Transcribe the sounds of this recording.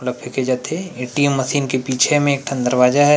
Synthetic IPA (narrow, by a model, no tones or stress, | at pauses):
ʊləbʱɪked͡ʒaːt̪eeʈimːɐsiːnkepiːt͡ʃʰemẽeːk̚ʈʰɐ̃nd̪əɾʋaːd͡ʒaɦɛ